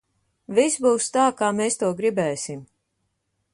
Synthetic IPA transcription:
visbuːst̪aːkaːmeːst̪uɔɡɾibɛːsim

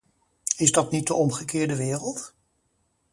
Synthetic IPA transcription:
ɪzdɑtnit̚dəʔɔmχəkɪːɹdəʋɪːrəlˠt

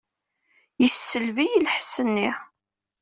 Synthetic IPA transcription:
jəsːəlvijilħəsːənːi

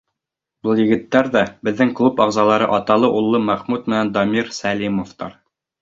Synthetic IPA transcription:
bɤlˠjɘ̆ɡɘ̆t̪ːæɾðæbɘ̆ðːɘŋklˠupɑʁzɑlˠɑɾɤʔɑt̪ɑlˠɤʔulˠːɤmæχmut̪̚mɘ̆nænd̪ɑmʲiɾsælʲimoft̪ɑ̰ɾ

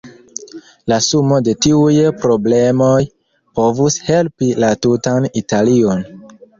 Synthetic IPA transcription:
lasumo̞de̞tiujpɾo̞ble̞mo̞j | po̞vushe̞lpilatutanitalio̞n

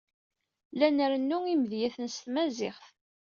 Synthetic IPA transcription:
lænəɾənːuiməðjæθənst̪mæzɪχθ

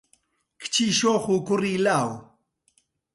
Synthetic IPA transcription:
kʰɪ̥t͡ʃiʃoχukʊɾilaw

